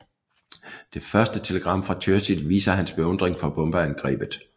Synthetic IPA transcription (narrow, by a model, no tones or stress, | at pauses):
d̥e̝fɶɐsd̥ət͡sʰe̝ləɡ̥ʁɑ̈m̰fʁɑ̈t͡sʰøɐsilʋḭːsɐhænsb̥e̝ɔ̽n̰d̥ʁeŋfɒ̽b̥ɔ̽mb̥əænɡ̥ʁɛ̰ːb̥ð̩ˠ